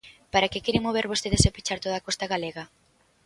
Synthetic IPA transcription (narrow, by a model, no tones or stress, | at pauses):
paɾakekeɾeŋmoβ̞eɾβost̪eðesepit͡ʃaɾt̪oðakost̪aɣaleɣa